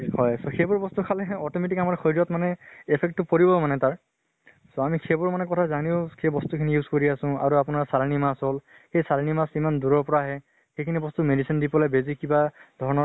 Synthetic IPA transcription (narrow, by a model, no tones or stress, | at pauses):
hɔjsɔxebʊɹbɔstukʰalɛɔtɔmet̬ikamaɹxʰojɹɔtmanɛepʰɛk̚tːʊpoɹibɔmanɛtaɹ | soamikʰebʊɹmanɛkɔtʰazaniʊkʰebɔstukʰinijuzkoɹiasʊ̃a̰ɹuapʊnaɹsalnimasɦɔl | xejsalnimasimanduɹɔɹpɔɹaɦɛ | xejkʰinibɔstumedisindipɔlajbezikibadʱɔɹɔnɔ